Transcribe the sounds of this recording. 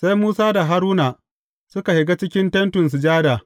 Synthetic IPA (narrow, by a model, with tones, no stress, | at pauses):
sa˦jmuː˦saː˦da˨ɦa˦ɾuː˦na˨ | sʊ˦ka˨hɪ˨ɡa˦t͡ʃɪ˦kʲɪ˦ntɛ˦ntʊ˨ns̬u˨d͡ʒaː˦daː˨